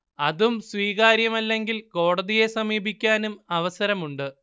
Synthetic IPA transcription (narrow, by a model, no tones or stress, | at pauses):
ɐðumsʋiːɣaːɾjɐmɐlːe̞ŋɡilko̞ːɽɐðije̞sɐmiːbikʲːaːnumɐʋɐsɐɾɐmuɳɖɨ